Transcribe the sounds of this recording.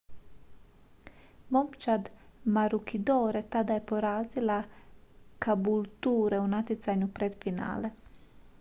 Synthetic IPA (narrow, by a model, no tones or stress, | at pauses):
momt͡ʃad̪maɾukʰid̪oːɾet̪ad̪ajepoɾaːzila | kabult̪uːɾeunat̪it̪saɲupɾed̪fina̰ːle